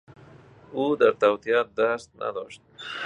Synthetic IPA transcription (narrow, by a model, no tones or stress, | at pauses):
ud̪əɾt̪awt̪ijɑt̪̚d̪ast̪̚nʔa̰d̪oʃt̪̚